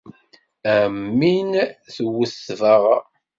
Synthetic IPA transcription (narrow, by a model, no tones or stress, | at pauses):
æmːinθəwəsvəʁ